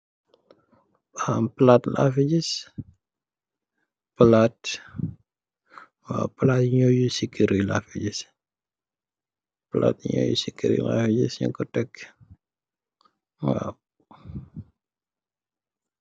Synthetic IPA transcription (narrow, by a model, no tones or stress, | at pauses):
amplatlʔa̰fiɟis | pəlat | wa̰pəlatɲojusikːiɾilafiɟis | pəla̰tɲo̰jṵsikːiɾḭla̰fiɟisɲṵŋkɔtɛk | wa̰